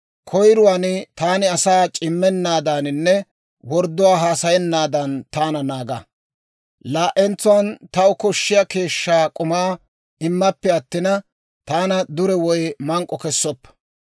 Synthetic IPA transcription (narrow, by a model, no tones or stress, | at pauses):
kʰɔjɾʊwaːnɪt̪aːnɪɐsaːt͡ʃʼɪmːɛnːaːd̪aːnɪnːɛ | wɔɾd̪ːʊwaːɦaːsɐjɛnːaːd̪ɐnt̪aːnɐnaːɡɐ | laːʔɛnt͡sːʊwɐnt̪ɐʊkɔʃːɪjɐke̞ːʃːaːkʼʊmaː | ɪmːɐpːɛɐt̪ːɪnɐ | t̪aːnɐd̪ʊɾɛwɔjmɐŋkʼːɔkɛsːɔpː